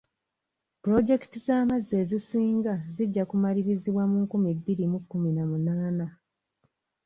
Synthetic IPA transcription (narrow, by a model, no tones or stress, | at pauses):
pɾo̞ɟe̞ktizaːmazːe̞ːzisiːŋɡaziɟːakumaliβiziβwamuŋkumiebːiɾimukːuminamunaːna